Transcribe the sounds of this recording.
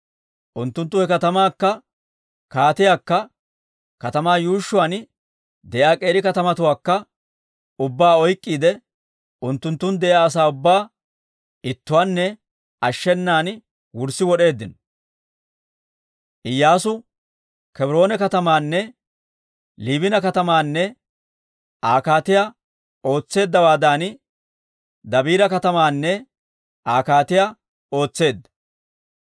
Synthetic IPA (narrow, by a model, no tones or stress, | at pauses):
ʔʊnt̪ːʊnt̪ːʊhɛkɐt̪ɐmaːkːɐ | kaːt̪ɪjaːkːɐ | kɐt̪ɐmaːjuːʃːʊwɐn | d̪ɛʔjaːkʼe̞ːɾɪkɐt̪ɐmɐt̪ʊwaːkːɐ | ʊbːaːɔjkʼːiːd̪ɛ | ʊnt̪ːʊnt̪ːʊnd̪ɛʔaːs̬aːʊbːaː | ɪt̪ːʊwaːnːɛ | ɐʃːɛnːaːn | wʊɾsɪwɔɗe̞ːd̪ːɪn | ʔɪjːaːsʊ | kɛbɪɾo̞ːnɛkɐt̪ɐmaːnːɛ | liːbɪnɐkɐt̪ɐmaːnːɛ | ʔaːkaːt̪ɪjaː | o̞ːt͡sːe̞ːd̪ːɐwaːd̪aːn | d̪ɐbiːɾɐkɐt̪ɐmaːnːɛ | ʔaːkaːt̪ɪjaː | o̞ːt͡sːe̞ːd̪ːɐ̥